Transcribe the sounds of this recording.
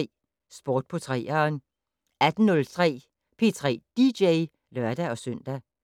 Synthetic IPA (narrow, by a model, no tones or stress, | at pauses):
sb̥o̝ːd̥̚pʰɒ̽t͡sʰʁɛ̰ːɐn | æd̥n̩nɔ̽lt͡sʰʁɛ̰ː | pʰe̝t͡sʰʁɛ̰ːd̥ideɪ | lɶɐd̥æɒ̽sœn̰d̥æ